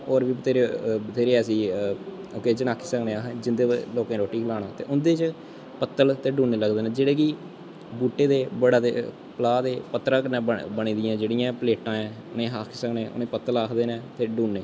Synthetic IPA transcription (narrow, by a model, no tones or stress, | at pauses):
oːɾbiːbt̪eːɾet̪eːɾeːɛsiː | oːkeːd͡ʒənaːkʰːiːsəkneːaːɦd͡ʒɪnd̪eːloːkẽːɾoːʈːiːkʰəlaːɽaːt̪ḛːʔʊnd̪eːt͡ʃ | pət̪ːəlt̪eːɖuːnːeːləɡd̪eːnɛːd͡ʒeːɽeːkiː | buːʈːeːd̪eːbəɽaːḛː | pəlaːd̪eːpət̪ːɾãːknɛ̃ːbəɽ̃ĩːd̪ɪjãːd͡ʒeːɽiːãːpleːʈãːɛ̃ːʊnẽːɦaːkʰiːsəkneːʔʊ̰nẽːpət̪ːəlaːkʰd̪eːnɛ̃ːt̪eːɖuːnːeː